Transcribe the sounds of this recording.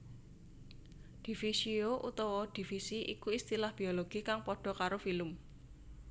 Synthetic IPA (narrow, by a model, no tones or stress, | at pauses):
d̪̥ifisioʔut̪ɔwɔd̪̥i̤fisiʔikuist̪ilahb̥i̤oloɡ̥ikaŋpɔɖ̥ɔ̤kaɾofilʊm